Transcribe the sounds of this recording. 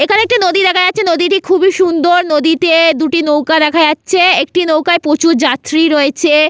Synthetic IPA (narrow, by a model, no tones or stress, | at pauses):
ekʰaneek̚ʈinod̪id̪ɛkʰajatːɕʰenod̪iʈikʰubiʃund̪oɾnod̪it̪ed̪uʈinowkad̪ɛkʰajatːɕʰeek̚ʈinowkaepot͡ɕuɾd͡ʑat̪ɾiɾoet͡ɕʰe